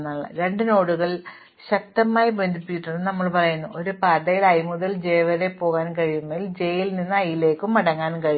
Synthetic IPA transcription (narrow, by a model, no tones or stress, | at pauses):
nːaɭːɐ̰ɾe̞ɳɖɨno̞ːɽuɣɐɭ | ɕɐk̚t̪ɐmaːjibend̪ʱipːit͡ɕːiʈːuɳːɨnɐmːɐɭpɐrɐjunːuʔo̞ɾupaːd̪ɐjilɐjmuðɐld͡ʑe̞jʋɐɾe̞po̞ːɣaːnkɐɻijumːɐild͡ʑe̞jilninːɐjile̞ːkːumːɐɽɐŋːaːnkɐɻi